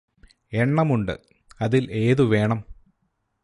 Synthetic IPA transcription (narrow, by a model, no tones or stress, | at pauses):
e̞ɳːɐmuɳɖɨ̰ | ɐðilʔe̞ːðuʋe̞ːɳɐm